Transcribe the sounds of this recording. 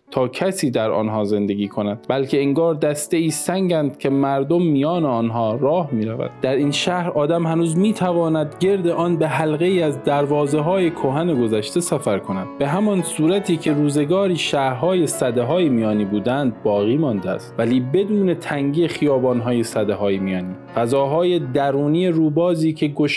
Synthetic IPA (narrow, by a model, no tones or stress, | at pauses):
t̪ʰɒːcʰæsiːd̪æɾɒ̰ːnɦɒːze̞nd̪e̞ɡiːkʰo̞næd̪̚bælcʰe̞iŋɡɒːɾd̪æst̪eiːsæŋɟænd̪̥̚cʰe̞mæɾd̪omːijɒːneɒːnɦɒːɾɒːhmiːɾævæ̰d̪d̪̥æɾiːnʃæhɾɒːd̪æmhænuːzmiːt̪ʰævɒːnæd̪ɟe̞ɾd̪eʔɒːnbe̞ɦælɣeiːæzd̪æɾvɒːze̞ɦɒːje̞kʰoɦæne̞ɡo̞zæʃt̪e̞sæfæɾkʰo̞næd̪̥̚be̞ɦæmɒnsuːɾæt̪ʰiːcʰe̞ɾuːze̞ɡɒːɾiːʃæhɾɦɒːje̞sæd̪eɦɒːjemijɒːniːbuːd̪ænd̪̚bɒːɣiːmɒnd̪eæ̰st̪væliːbe̞d̪uːne̞t̪ʰæŋɟiːexijɒːbɒːnɦɒːje̞sæd̪eɦɒːjemijɒːniːfæzɒːɦɒːje̞d̪æɾuːniːjeɾuːbɒːziːkcʰe̞ɡoʃ